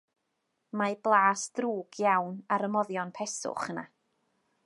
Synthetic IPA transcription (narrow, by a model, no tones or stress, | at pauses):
mablˠaːsd̥ruːɡ̥jawnaɾəmɔðjɔnpʰɛsʊ̰χəna̰